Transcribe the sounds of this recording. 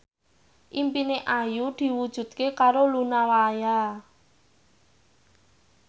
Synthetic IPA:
ʔimpineʔajud̪̥i̤wud̥ʒ̥ṳt̪̚kekaɾolunawaja

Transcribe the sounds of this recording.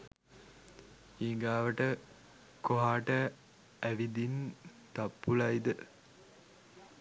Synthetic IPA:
iːŋɡaːʋəʈə | koɦaːʈə | æʋid̪int̪ɐpːulɐjd̪ə

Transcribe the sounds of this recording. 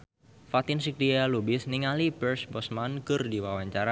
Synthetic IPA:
fat̪ɪnsik̚dialubɪsniŋalipɛrsbɔsmankɨrdiwawaɲt͡ʃaɾa

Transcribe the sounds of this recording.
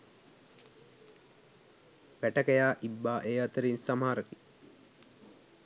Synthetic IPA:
ʋæʈəkəjaːʔibːaːʔeːɐt̪əɾinsamaːɾəki

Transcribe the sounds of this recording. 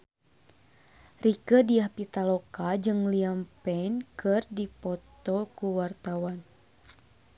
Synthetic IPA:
rikədiahpit̪alɔkad͡ʒɨŋliampɛnkɨrdipɔt̪ɔkuwart̪awan

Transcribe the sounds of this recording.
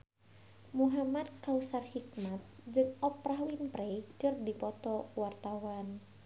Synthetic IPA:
muɦamad̪̚kausarhik̚mat̪̚d͡ʒɨŋɔpɾaɦwinpɾɛkɨrdipɔt̪ɔtwart̪awan

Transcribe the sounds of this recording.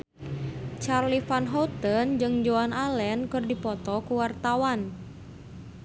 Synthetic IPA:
t͡ʃarlifanɦɔt̪ənd͡ʒɨŋd͡ʒoanalɛnkɨrdipɔt̪ɔkuwart̪awan

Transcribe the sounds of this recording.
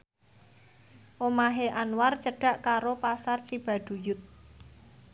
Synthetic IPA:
ʔomaɦeʔanwart͡ʃəɖ̥ä̤ʔkaɾopasart͡ʃib̥a̤ɖ̪̥ṳjʊt̪̚

